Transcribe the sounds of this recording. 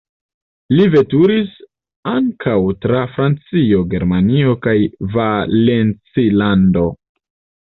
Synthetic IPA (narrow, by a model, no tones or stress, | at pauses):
live̞tuɾis | aŋkʰawtɾafɾant͡sio̞ɡe̞ɾmanio̞kajvale̞nt͡silando̞